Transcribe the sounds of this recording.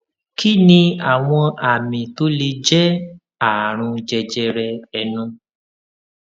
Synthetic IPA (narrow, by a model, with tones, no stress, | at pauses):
kʰi˦nĩ˧a˨w̃ɔ̃˧a˨mĩ˨to˨˦le˧d͡ʒɛ˦ | a˨ɾ̃ũ˧d͡ʒɛ˧d͡ʒɛ˧ɾɛ˧ɛ˧nũ˧